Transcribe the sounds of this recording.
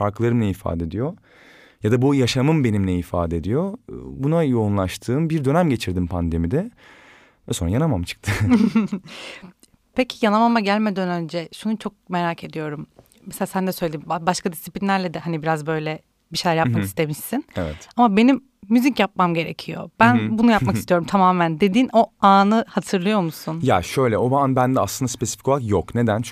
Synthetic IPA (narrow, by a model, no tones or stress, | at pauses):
faɾklˠaɾɯmnʲɛifa̰ːd̪ed̪ijo | jad̪abujaʃamɯmbe̞nimnʲɛifa̰ːd̪eed̪ijobunajo̞unlˠaʃt̪ʰɯːmbiɾd̪ø̞næmɟe̞t͡ʃʰiɾd̪impʰand̪e̞mid̪ɛ | vɛso̞nɾajanamamt͡ʃʰɯ̥k̚t̪ʰɯ | pʰecʰi̥janamamaɟælʲme̞d̪ænø̞nd͡ʒɛʃunut͡ʃʰo̞k̚me̞ɾaːkʰe̞d̪ijo̞ɾum | meselʲaːsænd̪ɛsøjlʲed̪imbabaʃkʰad̪isi̥plʲinːʲæɾlʲɛd̪ɛhanibiɾazbø̞jlʲɛ | biʃe̞jlʲæɾjappmakiist̪ʰe̞miʃsinevɛt̪amabe̞nimː | yzicjap̚mamɟe̞ɾecʰijo̞̰b̥ænbunujapmakist̪ijo̞ɾumt̪ʰamaːmænd̪e̞d̪iːno̞aːnɯhat̪ʰɯɾlˠɯjo̞ɾmusunja̰ʃø̞jlʲɛobanbænd̪ɛa̰slˠɯnd̪aspe̞si̥fi̥cʰkolˠakjokne̞d̪ænt͡ʃ